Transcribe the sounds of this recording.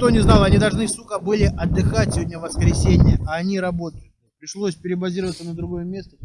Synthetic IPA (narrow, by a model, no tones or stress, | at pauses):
t̪onʲɪznɑlˠɐnʲid̪ɐlˠʐnɨsukəbɨlʲɪʔɐd̪ːɨxatʲsʲvodʲnʲəvəskɾʲɪsʲenʲɪjəaːnʲiɾɐbo̞t̪əjʊt | pɾʲɪʂlˠo̞sʲpʲɪɾʲɪbɐzʲiɾəvət̪sənəd̪ɾʊɡo̞jəmʲe̞st̪ə